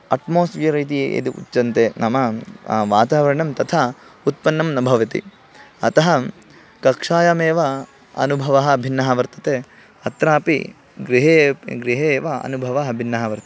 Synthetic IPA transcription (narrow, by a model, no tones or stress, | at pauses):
ɐʈmoːsʋjɐɾiːt̪̬ijeʔḛd̪uʔṵtːt͡ʃːɐnt̪enʔɐmɐʋaːt̪aːʋɐɾɐɳɐmt̪ɐt̪ʰaut̪̚pɐnːɐmnɐbʱɐʋɐt̪ḭ | ɐ̰t̪ɐɦɐ | kɐkʂaːjɐmeːʋɐ | ɐ̰nubʱɐʋɐɦɐ̆bʱinːɐɦɐʋɐɾt̪ɐt̪e | ɐt̪ɾaːpḭ | ɡɾiɦeːɡɾiɦeːʋɐɐ̰nubʱɐʋɐɦɐbʱinːɐɦɐʋɐɾt̪ɐ